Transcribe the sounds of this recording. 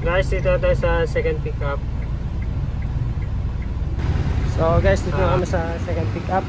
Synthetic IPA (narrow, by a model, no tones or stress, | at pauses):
ɡajsd̪it̪ot̪ajsɐsɛkɐnd̪̚pikɐp̚ | soɡajsd̪it̪kɐmasɐsɛkɐnd̪̚pikap̚